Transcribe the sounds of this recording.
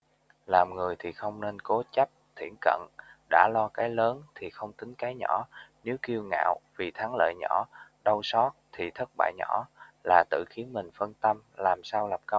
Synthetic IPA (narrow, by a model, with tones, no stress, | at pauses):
laː˨˩mŋɨ˨˩əjt̪ʰi˨˩xə˧wŋ͡mne˧nko˨˦t͡ɕa˦˥p̚t̪ʰḭ˧˩ənkə̰˧˨nɗa̰ː˧˥lɔ˧kaː˨˦jləː˨˦nt̪ʰi˨˩xə˧wŋ͡mt̪ï˨˦ŋ̟kaː˨˦jɲɔ̰˧˩˥ne˨˦wki˧əwŋa̰ː˧˨wvi˨˩t̪ʰa˨˦ŋlə̰ː˧˨jɲɔ˧˩˥ɗə˧wsɔ˦˥t̚t̪ʰi˨˩t̪ʰə˦˥t̚ɓa̰ː˧˨jɲɔ̰˧˩˥la̰ː˨˩t̪ɨ̰˧˨xi˨˦ənmï˨˩ŋ̟fə˧nt̪ə˧mlaː˨˩msaː˧wla˨˩p̚kə˧w